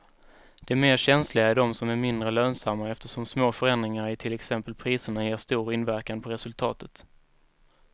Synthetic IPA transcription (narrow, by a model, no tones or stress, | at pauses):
d̪̥ɛæɾmeːɾɕɛnslɪɡaæɖɔmsɔmæɾmɪnd̪ɾəløːnsamːaɛft̪əʂɔmsmoːfœɾɛnd̪ɾɪŋaɾɪʈ̪ʰɪlɛksɛmpəlpʰɾiːsəɳajeːʂt̪uːɾɪnvæɾkanpʰɔɾɛsɵlt̪ʰɑ̰ːt̪ʰət̪